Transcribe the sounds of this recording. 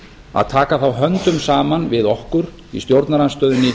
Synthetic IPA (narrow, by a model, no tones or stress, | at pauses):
a̰ðt̪ʰaːkaθawɦœnt̪ʏmsaːmanvɪðɔhkʏɾ | ḭst̪jowɾt̪naɾanst̪œːðʏnːɪ